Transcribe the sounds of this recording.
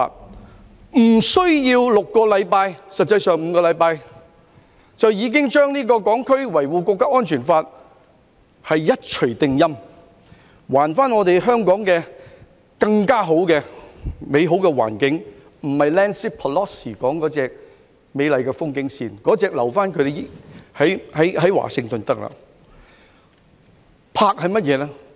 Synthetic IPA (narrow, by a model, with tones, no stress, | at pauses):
m̩˨˩sɵ˥ɥjiː˧wlʊ˨kːɔː˧lɐ˨˧jpaː˧jsɐ˨t̚t͡sːɐ˧jsœː˨ŋm̩ː˨˧kɔː˧lɐ˨˧jpaː˧j | t͡sɐ˨wjiː˨˧k̬ɪ˥ŋt͡ʃœː˥ŋniː˥k̬ɔː˧kɔː˨˥ŋkʰɵ˥ɥwɐ˨˩jwuː˨kɔː˧k̪̚aː˥ɔː˥nt͡ʃʰyː˨˩nfaː˧t̚ | hɐ˨jjɐ˥t̚t͡ʃʰɵ˨˩ɥt̪ɪ˨˧ŋjɐ˥m | waː˨˩nfaː˥nŋɔː˨˧t̪e˨jɦœː˥ŋkɔː˨˥ŋkɛː˧ | kɐ˧ŋkaː˥ɦo˨˥wkɛː˧me˨˧jɦo˨˥wkɛː˧wa̰ː˨˩nkɪ˨˥ŋ | m̩˨˩hɐ˨jlɛː˥nsiː˥pʰɔ˨lɔː˥siː˨˩kɔː˨˥ŋkɔː˨˥t͡sɛː˨k̚ | me˨˧jlɐ˨jkɛ˧fʊ˥ŋkɪ˨˥ŋsiː˨nkɔː˨˥t͡sɛː˨˧k̚lɐ˨˩wfaː˥nkʰɵ˨˧t̪e˨jɪ˨hɐ˨˥jhɐ˨˥jhɐ˨˥jwa̰ː˨˩sɪ˧ŋt̪ɵ˨nt̪ɐ˥k̚lɐ̰ː˨ | pʰaː˧k̚hɐ˨jmɐ˥t̚jɛː˨˧lɛː˥